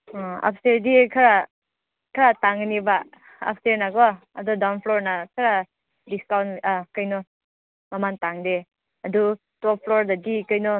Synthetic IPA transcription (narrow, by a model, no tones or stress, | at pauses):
a̰p̚ʰsteɾdikʰɐɾa | kʰaɾataŋniba | ɐ̰p̚ʰsteɾnaɡɔ | ɐdɔdawnpʰlɔɾnakʰaɾa | diskawnkajnɔ | mamantaŋde | adu | tɔp̚pʰlɔɾdadikajnɔ